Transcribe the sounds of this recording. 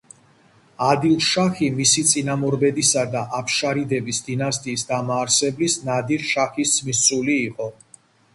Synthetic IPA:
ad̪ilˠʃaχimisit̪sʼinamɔɾbɛd̪isad̪aʔapʰʃaɾid̪ɛbisd̪inast̪ʼiːsd̪amaːɾsɛblisnad̪iɾʃaχismisuliːqʼɔ

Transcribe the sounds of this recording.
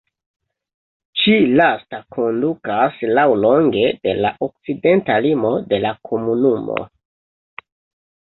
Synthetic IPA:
t͡ʃilastakʰo̞ndukaslawlo̞ŋɡe̞de̞la̰ʔo̞k̚t͡side̞ntalimo̞de̞lakʰo̞munumo̰

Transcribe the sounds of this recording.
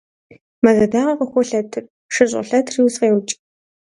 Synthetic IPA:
mɐzɐdaːʁɐqəxʷɔɬɐtʰɨr | ʂɨɕʼɐ̰ɬɐtʰriwsqeːwt͡ʃʼ

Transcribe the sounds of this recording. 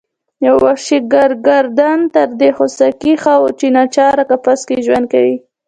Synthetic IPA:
jawːaʃiɡaɾɡaɾd̪ant̪əɾd̪exosakixɑwt͡ʃinat͡ʃɑɾakapaskeʒwand̪̚kawi

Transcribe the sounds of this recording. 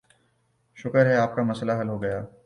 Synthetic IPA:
ʃʊkəɾɦɛaːp̚kamɐslaɦɐlɦoɡɐjaː

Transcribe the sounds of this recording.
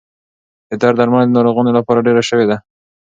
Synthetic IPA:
d̪̥əd̪ɑɾd̪aɾmand̪ənɑɾoɣɑnolapɑɾaɖeɾaʃəwed̪a

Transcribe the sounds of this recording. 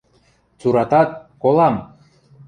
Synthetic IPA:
t͡suɾɑt̪ɑt̪̚kolˠɑm

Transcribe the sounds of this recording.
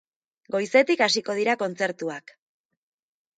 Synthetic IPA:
ɡo̞jse̞t̪ikasiko̞ð̞iɾako̞nt͡se̞ɾt̪uak

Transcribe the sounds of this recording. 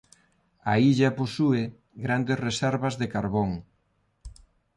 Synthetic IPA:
aiʎɐposuɪ | ɡɾand̪esresɛɾβɐzðekaɾβoŋ

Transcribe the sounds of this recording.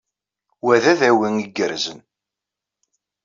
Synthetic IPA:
wæðæðæwiŋiɡːəɾzən

